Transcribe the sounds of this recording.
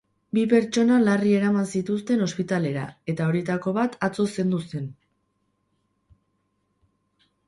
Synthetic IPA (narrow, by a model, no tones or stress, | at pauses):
bipe̞ɾt͡ʃo̞nalarie̞ɾamansit̪us̬t̪e̞no̞spit̪ale̞ɾa̰e̞t̪ao̞ɾjet̪ako̞βat̪at͡so̞se̞nd̪use̞n